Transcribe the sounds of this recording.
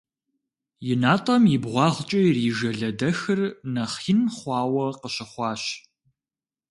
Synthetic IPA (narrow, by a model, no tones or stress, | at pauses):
jɪnaːtʼɐmjɪbʁʷɑːʁt͡ʃʼɐriːʒɐɮɐdɐxɨrnɐχinχʷɑːwɐqəɕɪχʷɑːɕ